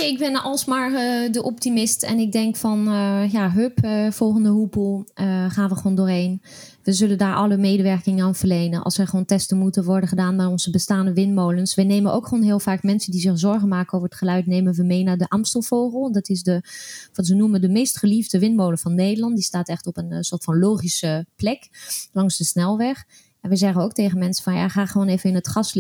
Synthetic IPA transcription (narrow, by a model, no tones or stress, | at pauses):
ɪɡbɛnʔɑlˠsmaːɹədəʔɔptimɪstɛ̰nɪɡ̚dɛŋkfɑnjaɦøpfɔlˠχəndəɦupəlˠəχaːnʋəχəʋoːndʊːɹɦejn | ʋəzɵləndaːɹʔɑləmejdəʋɛɹkɪŋənaːnvəɹlejnənʔɑ̰lˠsʋəχəowntɛstənmutənʋɔɹdənχədaːnmɛjɔnzəbəstaːndəʋɪnmowlənsʋɛjneːmənʔo̰wkχʋoːnɦɪːlˠfaːkmɛnsəndizɪχzɔɹχənmaːkənowvərətχəlœɥtnejmənʋəmejnaːɹdəʔamstəlˠfoːχəlˠdɑtɪsdəʋɑtʋənumədəmejstχəlivdəʋɪnmowlənvɑnːeːdəlɑnt̚distaːtɛχtɔpənsʊːɹtfɑnloːχisəplɛklɑŋzdəsnɛlˠʋɛχ | ɛnʋəzɛχənowk̚tejχənmɛnsə̥fɑnja̰χaːχəʋoːnevənɪnətχɑs